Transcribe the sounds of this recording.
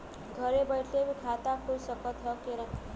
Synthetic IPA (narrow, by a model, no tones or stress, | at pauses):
ɡʱʌɾebʌjʈʰebkʰat̪akʰuɾsʌkʌt̪ʰjʌkeɾʌn